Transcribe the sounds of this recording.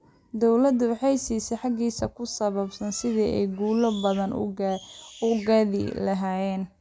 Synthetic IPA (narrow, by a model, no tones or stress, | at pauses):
d̪ɔwlɐd̪ʊwɑħɑjsiːsɛjħɑɡiːsɐkʰʊsɐβɐbsɐnsɪðiːʔɛ̰jɡuːlɔbɐðɐn | ʊɡɐðɪ̰lɐɦaːjɛːn